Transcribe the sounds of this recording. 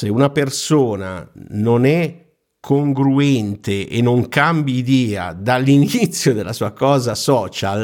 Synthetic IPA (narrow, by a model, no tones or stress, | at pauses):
seunapersoːna̰nonɛ | kʰːoŋɡɾuɛnt̪eʔḛnːoŋkambjiid̪ɛːa̰d̪alːinit̪sːjod̪elasuːakɔːzasɔːt͡ʃal